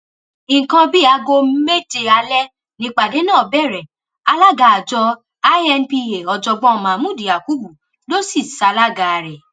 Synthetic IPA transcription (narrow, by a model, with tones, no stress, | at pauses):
ĩ˨kã˧bi˦˨a˧ɡo˧me˦de˧a˧lɛ˦ | nĩ˦k͡pa˨de˨˦nãː˦˨bɛ˦˨ɾɛ˨ | a˧la˦ɡa˨a˨d͡ʒɔ˧ | a˦ɛ˧npi˧e˨ɔ˧d͡ʒɔ˧ɡ͡bɔ˦ɔ˧˨mã˨mũ˦˨di˨ja˨ku˨˦bu˨ | lo˦si˦˨sa˧˦la˦ɡa˨ɾɛ˨